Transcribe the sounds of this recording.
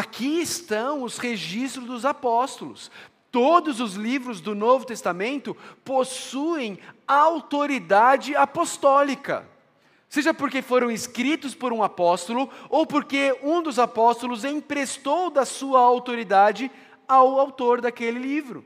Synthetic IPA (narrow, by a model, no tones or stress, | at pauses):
akʰiɪst̪ɐ̃w̃ʊsheʒist̪ɾʊzd̪ʊzapɔst̪ʊlʊ̰s | t̪od̪ʊzʊzlivɾʊzd̪ʊnovʊt̪est̪amẽnt̪ʊposuẽj̃aawt̪oɾid̪ad͡ʒɪapost̪ɔlikɐ̰ | seʒɐpoɾkefoɾɐ̃w̃ɪskɾit̪ʊspoɾũapɔst̪olʊowpoɾkeũd̪ʊzapɔst̪olʊzẽj̃pɾest̪owd̪ɐsuɐawt̪oɾid̪ad͡ʒɪ | awawt̪oɾd̪akelɪlivɾʊ̰